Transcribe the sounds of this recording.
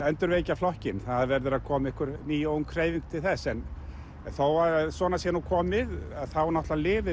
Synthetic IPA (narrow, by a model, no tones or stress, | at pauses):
ɛnt̪ʏɾvejcaflɔhcɪnθaðaðvɛɾðʏɾaðkʰɔːmɪhkʏɾniːjowŋkʰɾeːjviŋk̚t̪ʰɪlθɛsːɛn | θowaɾsɔːnasjɛnukʰɔːmɪðaðθawnɔht̪lalɪːvɪ